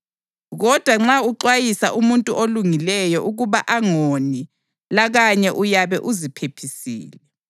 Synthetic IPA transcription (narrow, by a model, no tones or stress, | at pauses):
ɣɔd̥ʱwaŋ͡ǁauǃwajisaʔumuntʼuʔoluŋilɛjɔʔuɣuβaʔaŋoni | laɣaɲɛʔujaβɛʔuzipʰepʰisḭːlɛ